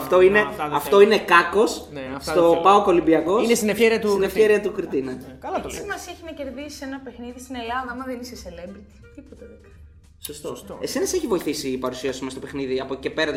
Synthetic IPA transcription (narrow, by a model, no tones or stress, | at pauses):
ft̪o̞ine̞ɐft̪o̞ine̞kɐko̞sst̪o̞pɐoko̞limbiɐko̞inest̪inefeɾiɐt̪sinefçeɾiɐt̪ukɾit̪inɐkɐlɐt̪simɐsieçinɐce̞ɾðisi̥senɐpe̞xniðist̪ine̞lɐðɐmɐðeniseselembɾit̪i̥t̪ipot̪ɐðekɐ | sost̪oesenɐseçivo̞iθisipɐɾusiɐsumest̪o̞pe̞xniðiɐpoce̞pe̞ɾɐt̪